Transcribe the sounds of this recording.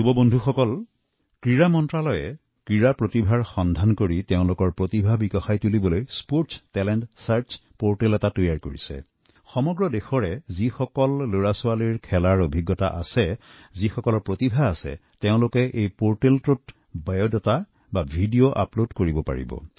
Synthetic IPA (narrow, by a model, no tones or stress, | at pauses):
zubɔbondʱuxɔkɔl | kɹiɹamɔntɹalɔjɛ | kɹiɹapɹotibʱaɹxɔndʱankoɹiteʊ̃lʊkɔɹpɹotibʱabikɔxajtulibɔlojspoɹtstɛlɛntsaɹt͡ʃpoɹtelɛtatojaɹkoɹḭsɛ̰ | xɔmɔɡɹɔdexɔɹɛzixɔkɔlːoɹasʊwaliɹkʰɛlaɹobʱiɡːɔta̰ʔasɛ | zixɔkɔlɔɹpɹotibʱaːsɛ̰teʊ̃lʊkɛʔejpoɹteltʊt | bajodɔta | babʱidioʔa̰plodkoɹibɔpa̰ɹḭbɔ̰